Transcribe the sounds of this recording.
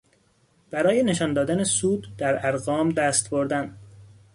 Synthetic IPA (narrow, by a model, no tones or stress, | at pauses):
b̥æɾɒːje̞neʃɒːnd̪ɒːd̪ænesuːd̪d̪æɾæɾɣɒːmd̪æst̪boɾd̪æn